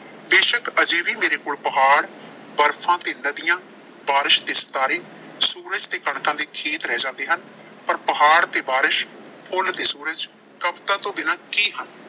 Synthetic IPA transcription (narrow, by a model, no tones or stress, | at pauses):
d̪eːʃəkəd͡ʒeːʋiːmeːɾeːkoːlpəɦaːɽ | bəɾpʰãːt̪eːnəd̪ɪjãː | baːɾɪʃt̪eːst̪aːɾiː | suːɾəd͡ʒt̪eːkəɳkãːd̪eːkʰeːt̪ɾɛːd͡ʒãːnd̪eːɦən | pəɾpəɦaːɽt̪eːbaːɾɪʃ | pʰoːlt̪eːsuːɾəd͡ʒ | kəpt̪ãːt̪õːbɪnãːkiːɦən